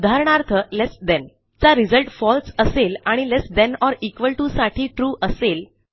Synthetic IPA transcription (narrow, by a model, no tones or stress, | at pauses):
ud̪ʱaɾɳaɾt̪ʰəlesd̪ɛn | t͡saɾid͡zəlʈfɔlsəselaɽ̃ilesd̪ɛ̃nɔɾikʋəlʈusaʈʰiːʈɾuːʔəsel